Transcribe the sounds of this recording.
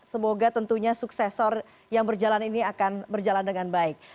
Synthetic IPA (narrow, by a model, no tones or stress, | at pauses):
səmoɡat̪ənt̪uɲasuksɛsɔr | jaŋbərd͡ʒalaniniakanbərd͡ʒalandəŋanbaɪk̚